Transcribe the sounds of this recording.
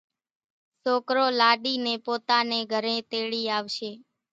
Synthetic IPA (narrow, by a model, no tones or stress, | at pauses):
soːkɾoːlaɖinepoːt̪aneɡʱəɾẽt̪eɭiːaʋʃeː